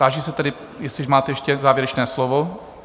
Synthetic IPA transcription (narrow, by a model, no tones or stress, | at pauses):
aːʒiːsɛt̪ɛdɪ | jɛsɛʒmaːt̪ɛjɛʃcɛzaːvjɛɾɛt͡ʃnɛːslovo